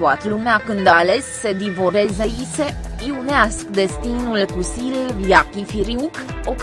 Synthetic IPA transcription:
uat̪əlumeakɨnd̪aːle̞sːe̞d̪ivoɾe̞zeise̞piuneaskd̪e̞st̪inulkusiljakifiɾiukok

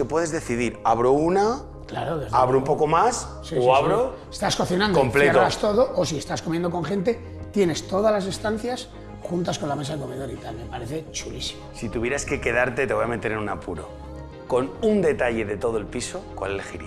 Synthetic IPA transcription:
kepwe̞ðe̞zðe̞θiðiɾaβɾouna | klaɾoðezaβɾoumpo̞ko̞mas | siosaβɾo | e̥st̪asko̞θinãndompleaɾoast̪o̞ðo̞ʔos̬ie̞st̪askomje̞nd̪oko̞ŋχẽ̞nt̪̬e̞ | t̪je̞ne̞st̪o̞ð̞azlase̞st̪an̟θjas | xunt̪asko̞nlames̬aðeko̞me̞ðo̞ɾit̪alme̞paɾe̞θe̞t͡ʃulisi̥mosit̪uβje̞ɾaske̞ke̞ðaɾt̪e̞t̪e̞βojame̞t̪e̞ɾenunapuɾo̰ | ko̞nund̪e̞t̪aʎe̞ðe̞t̪o̞ðoe̞lpiso̞kwa̰lelxḭɾi

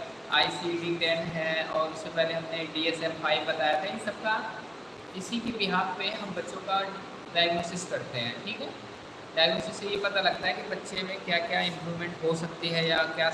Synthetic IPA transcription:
a̰ːisiɖɪ̃ŋɾɛ̃ːnɦɛ̃ɔːɾʊsːepɛɦleɦɐmneɖiːɛsɛmfaːibɐt̪aːjat̪ʰajesɐb̚ka | ɪsikibɪɦaːɾpeɦɐmbɐtːʃõka | ɖaːjəɡnoːsɪskɐɾt̪eɦɛ̃ːʈʰiːkɦɛ | ɖaːjəɡnoːsɪsːejepɐt̪alɐɡ̚t̪aɦɛkibɐtːʃemẽkjaːkjaːɪ̃mpɾuːʋmɛ̃ɳʈɦosɐk̚t̪iɦɛjakjaː

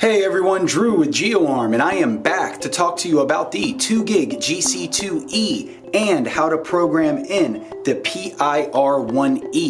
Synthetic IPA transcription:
heɪɛvɹiwʌ̃ndɹʉwɨðd͡ʒioʊɑɹmɨ̃ɾ̃aɪɨ̃mbæk̚tʰɨtʰɔk̚tʰɨjɨəbaʊt̪̚ðitʰʉɡɪɡd͡ʒisitʰʉi | ɨ̃nhaʊɾəpʰɹ̥oʊɡɹæ̃mɪ̃nðɨpʰiʔaɪʔɑɹwʌ̃ni

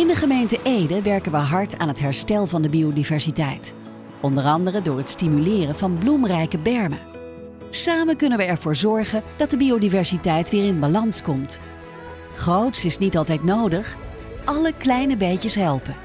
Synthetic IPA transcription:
ɪndəχəmejntəʔejdəʋɛɹkənʋəɦɑɹta̰ːnɦətɦɛɹstɛlˠvɑndəbiowdivɛɹsitɛjt | ɔndərɑndərədʊːɹɦətstimylɪːrənvɑnblumrɛjkəbɛɹmə | saːmənkɵnənʋəɛɹv̥ʊːɹzɔɹχənd̥ɑt̚dəbiodivɛɹsitɛjtʋɪːɹɪnbalɑnskɔmt | χrowtsɪsnitɑlˠtɛjtnowdəχ | ʔɑləklɛjnəbejcəsɦɛlˠpə

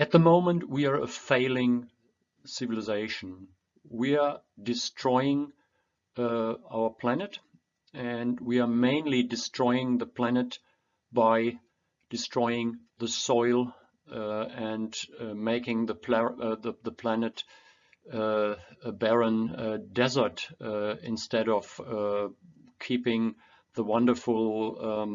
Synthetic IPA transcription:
ɨt̪̚ðəmõʊ̃mə̃nt̚ʰwiə˞əfeɪlˠɪ̃ŋ | sɪvɨlɨzeɪʃn̩ | wiə˞ | dɨstʰɹ̥ɔɪɪ̃ŋ | aʊə˞pʰl̥ænɨt | ɨ̃nwiə˞mẽɪ̃nlidɨstʰɹ̥ɔɪɪ̃ŋðəpʰl̥ænɨt | b̥aɪ | d̥ɨstʰɹ̥ɔɪɪ̃ŋðəsɔɪlˠ | ɨ̃ndmeɪkɪ̃ŋðəpʰðəðəpʰl̥ænɨt | əbɛɹə̃ndɛzə˞tɪ̰̃nstɛɾʌv̥ | kʰipɪ̃ŋ | ðəwʌ̃ndə˞fl̩ˠ

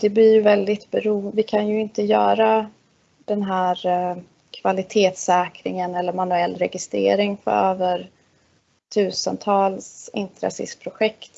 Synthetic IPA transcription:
d̪ɛblɪɾjɵvɛld̪ɪt̪bɛɾuːvɪkʰanjɵɪnt̪əjœ̰ːɾa | d̪̥ɛnɦæːɾ | kʰv̥alɪt̪ʰeːt̪sɛːkɾɪ̰ŋənɛlːəɾmanɵɛlːɾɛɡɪst̪ɾḛːɾɪŋfœ̰ɾøːvəɾ | t̪ʰʉ̟ːsənt̪ʰɑːlsɪ̰nt̪ɾa̰sɪ̰spʰɾʊɧɛkt̪

